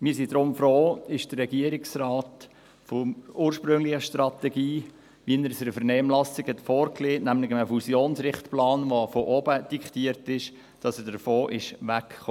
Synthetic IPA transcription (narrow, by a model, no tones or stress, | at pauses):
mɪːɾsid̥ɾʊmfɾoːɪʃd̥əːɛɡ̥iəɾɪksrɑːt | fɔuːɾʃpɾɵŋlɪχəʃtrɑt̪ɛɡiː | ʋiənəɾsəɾəfəɾnɛːmlɑsɪɡhɛtfoːɾkleːnæmlɪɡəməfusjoːnsɾɪχtplɑːnʋofɔʔɔbəd̥ikχtiəɾtɪʃ | d̥ɑsədəɾfoːʔɪʃʋækχo